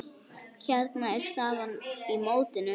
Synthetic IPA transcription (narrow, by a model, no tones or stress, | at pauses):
çɛt̪naɛɾ̥st̪aːvanimoːwt̪ɪnʏ